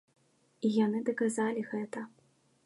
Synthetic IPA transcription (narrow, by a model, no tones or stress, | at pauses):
ijanɨd̪ɐkazalʲiɣɛt̪ɐ